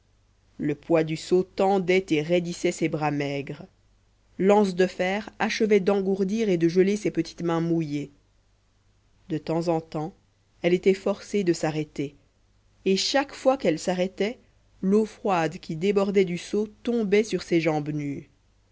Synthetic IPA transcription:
ləpwad̪ysot̪ɑ̃d̪ɛt̪eʁed̪isɛsebʁamɛɡʁ | lɑ̃sd̪əfɛːʁaʃəvɛd̪ɑ̃ɡuʁd̪iʁed̪əʒəlesepət̪i̥t̪mɛ̃muje | d̪ət̪ɑ̃zɑ̃t̪ɑ̃ | ɛlet̪ɛfɔʁsed̪əsaʁɛt̪e | eʃakfwakɛlsaʁɛt̪ɛ | lofχwad̪kʲid̪ebɔʁd̪ɛd̪ysot̪ɔ̃bɛsyʁseʒɑ̃bny

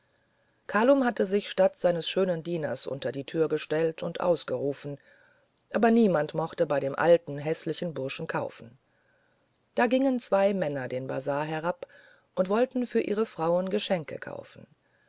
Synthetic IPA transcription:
kʰaːlʊmhatəzɪçʃtatz̥aɪnəsʃøːnəndiːnɐ̰sʔʊ̰ntɐdiːtʰyːɐɡəʃtɛltʰʊntʔa̰ʊsɡ̥əʁuːfn̩ | ʔaːbɐniːmantmɔχtəbaɪɾeːmʔa̰ltn̩ɦɛslɪçn̩bʊɐʃn̩kʰaʊfn̩ | d̥aːɡɪŋənt͡sv̥aɪmɛnɐdeːnba̰zaːɐɦɛʁ̞ap | ʔʊntv̥ɔltn̩fyːɐʔḭːʁ̞əfʁ̥aʊənɡəʃɛŋkʰə̰kʰa̰ʊfn̩

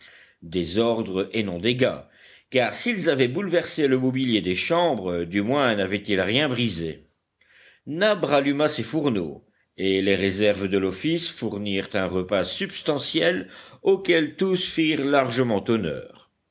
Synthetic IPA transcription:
d̪ezɔʁd̪ʁəenɔ̃d̪eɡa | kaʁsilzavɛbulvɛʁseləmɔbiljed̪eʃɑ̃bʁəd̪ymwɛ̃navɛt̪ilʁjɛ̃bʁize | nabʁalymasefuʁno̰ | eleʁezɛʁvd̪əlɔfisfuʁniʁt̪ɛ̃ʁəpasybst̪ɑ̃sjɛlokɛlt̪usfiʁlaʁʒəmɑ̃t̪ɔnœ̰ːʁ

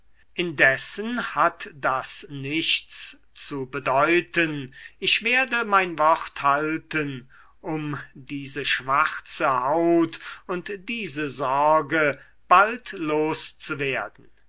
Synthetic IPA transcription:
ʔɪndɛsənhatd̥asnɪʃt͡s | t͡subədɔʏtənɪʃv̥eːɐdəmaɪnvɔχthaltən | ʔʊmdiːzəʃv̥aχt͡səhaʊtʊntd̥iːzəzɔʁɡə | b̥altloːst͡suveːɐdn̩

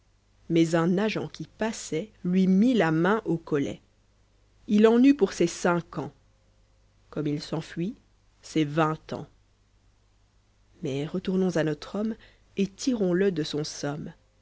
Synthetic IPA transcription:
mɛzɛ̃naʒɑ̰̃kʲipasɛlɥimilamɛ̃ʔokɔlɛ̰ | ilɑ̃nypuʁsɛsɛ̃kɑ̃ | kɔmilsɑ̃fɥi | sɛvɛ̃t̪ɑ̰̃ | mɛʁət̪uʁnɔ̃zanɔt̪χɔm | et̪iʁɔ̃ləd̪əsɔ̃sɔm

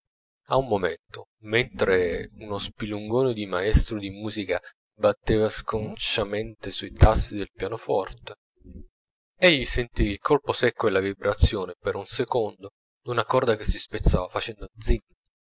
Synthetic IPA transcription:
aumːoment̪o | ment̪ɾeunospiluŋɡoːned̪imaɛst̪ɾod̪imuːzika | bat̪ːeːvaskont͡ʃament̪esuit̪asːid̪elpjaːnofɔ̰rt̪e | eʎːisent̪iilkʰɔlposɛkːoelavibɾat̪sːjoːnepeɾunsekond̪o | d̪unakɔrd̪ak̟esispet̪sːaːvafat͡ʃɛnd̪od̪zinː

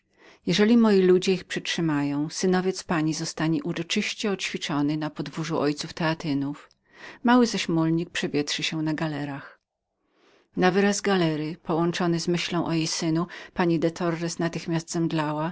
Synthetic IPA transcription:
jɛʐɛlʲimɔjilud͡ʑɛixpʂɛtʂɘmajɔ̃w̃sɘnɔvʲjɛt̪spaɲizɔst̪aɲiʔuɾɔt͡ʂɘɕt͡ɕɛɔt͡ɕfʲit͡ʂɔnɘnapɔd̪vuʐuʔɔjt̪suft̪ɛat̪ɘnuf | mawɘzaɕmulɲik̚pʂɛvʲjɛtʂɘɕɛnaɡalɛɾax | navɘɾazɡalɛɾɘpɔwɔnt͡ʂɔnɘzmɘɕlɔ̃w̃ʔɔjejsɘnupaɲid̪ɛt̪ʰɔɾːɛsnat̪ɘxmʲasd̪zɛmd̪lawa

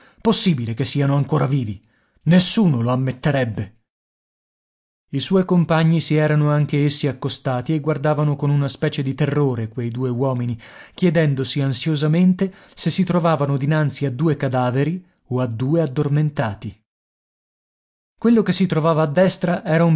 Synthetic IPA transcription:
posːiːbilekesːiːanoaŋkoːɾaviːvi | nesːuːnoloamːet̪ːeɾɛbːe | iswɔjkompaɲːisiɛːɾanoaŋk̟eesːiakːost̪aːt̪ieɡward̪aːvanokonunaspɛːt͡ʃed̪it̪erːoːɾekwejd̪uːewɔːminikjɛd̪ɛnd̪osiansjozament̪e | sesːit̪ɾovaːvanod̪inant̪siad̪ːuːekad̪aːveɾi | oad̪ːuːead̪ːorment̪aːt̪i | kwelːokesːit̪ɾovaːvaːd̪ːɛst̪ɾaʔɛːɾaum

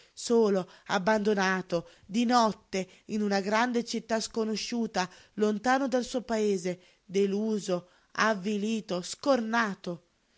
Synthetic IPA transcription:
soːloa̰bːand̪onaːt̪o | d̪inɔt̪ːe | inunaɡɾand̪et͡ʃit̪ːaskonoʃːuːt̪a | lont̪aːnod̪alsuopaeːze | d̪eluːzo | a̰vːiliːt̪oskornaːt̪o

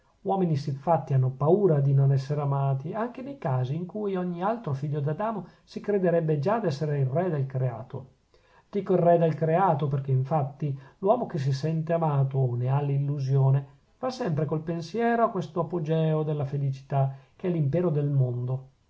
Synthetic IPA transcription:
wɔːminisifat̪ːianːopauːɾad̪inonɛsːeɾeamaːt̪iaŋk̟enejkaːziːŋkuːjɔɲːialt̪ɾofiʎːod̪ad̪aːmo | sikɾed̪eɾɛbːed͡ʒad̪ɛsːeɾeilrɛd̪elkɾea̰ːt̪o̰ | d̪̥ikoirːɛd̪elkɾeaːt̪operk̟eiɱfat̪ːilwɔːmok̟es̬isɛnt̪eamaːt̪onealːilːuzjoːne | fasːɛmpɾekolpensjɛːɾoakːwest̪oapod͡ʒɛːod̪elːafelit͡ʃi̥t̪ak̟eɛlːimpɛːɾod̪elmond̪o

